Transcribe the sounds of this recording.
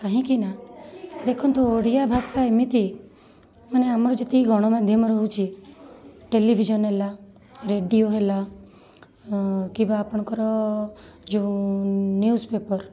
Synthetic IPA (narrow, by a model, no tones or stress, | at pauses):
kaɦĩkinad̪ekʰɔnt̪oːɽijabʱasaemit̪i | maneamɾɔd͡ʒet̪iɡʱɔɽ̃ɔmad̪ʱjəmɾɔɦut͡ʃʰi | ʈelibʱid͡ʒɔnɦela | ɾeɖijoɦela | kĩbaːpɔɽ̃kɔɾɔ | d͡ʒu | njuːspepɔɾ